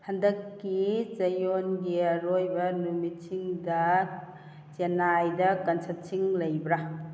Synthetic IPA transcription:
hɐndɐkːit͡ʃɐjonɡiɐɾojbɐnumit̚sʰiŋdɐ | t͡ʃenajdɐkɐnsɐp̚sʰiŋlɐjbɾa

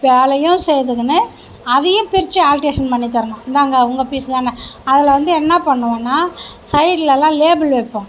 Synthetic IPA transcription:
peːlɐjʊ̃sɛjðɯkːɯnɯ | ɐðɐjʊ̃pɪɾɪt͡ʃːɯaːlʈeːʂɐnpɐɳːit̪̬ːɐɾɐɳɖʊ̃ɪnd̪aːŋɡɐʊŋɡɐpiːsɯt̪ãːnɐɐðɪlɐʋɐnd̪ɯɛnːɐpɐɳːɯʋɐ̃ːnːaːsɐɪʈɪlɛlːãːleːbɪlʋɛpːʊ̃

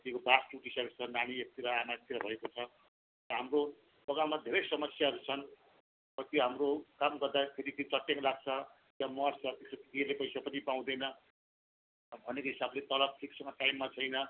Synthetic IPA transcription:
t̪jekobasʈuʈisʌɾut͡sʰʌnaɽ̃iek̚t̪iɾʌanaek̚t̪iɾʌbʱʌekot͡sʰʌ | rʌɦamro | pʌɡamad̪ʱeɾʌjsʌmʌsjaɦʌɾut͡sʰʌn | pʌt̪joɦamrokamɡʌrd̪akʰeɾit̪it͡sʌʈːjeŋlaɡ̚t͡sʰʌ | t̪jamʌrt͡sʰʌt̪esotit̪ielepʌjsapʌnipaw̃d̪ʌjnʌ | bʱʌnekoɦisablet̪ʌlʌb̚ʈʰiksʌ̃ŋɡʌʈajmːat͡sʰʌjnʌ

